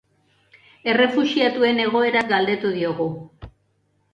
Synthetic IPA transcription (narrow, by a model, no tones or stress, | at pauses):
e̞re̞fusiat̪ue̞ne̞ɣ̞o̞e̞ɾaɡald̪e̞t̪uð̞io̞ɣu